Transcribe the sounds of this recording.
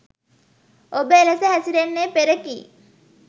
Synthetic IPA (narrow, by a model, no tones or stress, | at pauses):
obəeləsəɦæsiɾenːepeɾəkḭː